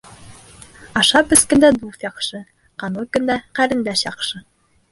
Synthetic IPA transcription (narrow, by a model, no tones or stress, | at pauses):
ɑʃɑpɘ̆skɘ̆nd̪æd̪ut̪jɑqʃɤ | qɑnɤkɵ̆nd̪æqæɾɘ̆nd̪æʃjɑqʃɤ